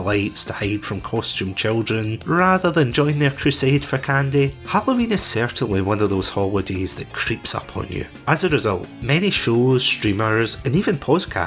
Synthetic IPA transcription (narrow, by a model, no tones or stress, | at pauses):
lˠaɪtstʰəhaɪd̥fɹə̃mkʰɔst͡ʃʉ̃mt͡ʃʰɪlˠdɹə̃nɹaðə˞ðə̃nd͡ʒɔ̃ɪ̃ŋðə˞kʰɹ̥ʉsed̥fə˞kʰãndihalˠəĩnɨz̥sɛ˞ʔn̩lˠiwʌ̃nʌvðoz̥hɔlˠədez̥ðəʔkʰɹ̥ipsʌ̰pʰnjɨ̰ | əzəɹɪzʌ̰lˠʔmɛniʃoz̥stɹ̥ĩmə˞zə̃nivə̃npʰɔz̥kʰa̰